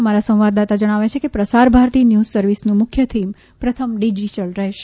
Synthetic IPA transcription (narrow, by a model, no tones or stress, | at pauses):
maɾasə̃w̃ʋad̪at̪ad͡ʒəɽ̃aʋet͡ʃʰekepɾəsaɾbʱaɾt̪injuzsəɾʋisnũmʊkʰjət̪ʰim | pɾət̪ʰəmɖid͡ʒiʈəlɾəɦeʃe